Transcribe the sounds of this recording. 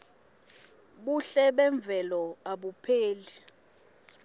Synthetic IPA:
ɓuɬɛɓɛɱb̪vʱɛlɔaɓupʰeːli

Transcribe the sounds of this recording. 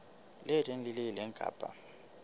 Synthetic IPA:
lɪtʼeŋ̩lɪlɪlɛŋ̩kʼa̰ːpʼa̰

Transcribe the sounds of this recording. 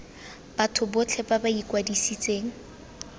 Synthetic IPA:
b̥atʰʊbʊt͡ɬʰɛpabaikʼwadisit͡sʼeːŋ̩

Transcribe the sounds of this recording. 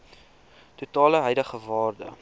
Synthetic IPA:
tutɑːləɦœjdəχəvɑːrdə̰

